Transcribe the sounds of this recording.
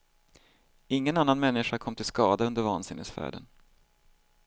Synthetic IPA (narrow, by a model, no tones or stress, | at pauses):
ɪŋːənanːanmɛnːɪɧakʰɔmːt̪ʰɪlskɑːd̪aɵnd̪əɾvɑːnsɪ̰nhə̰t̪sfæ̰ːɖə̰n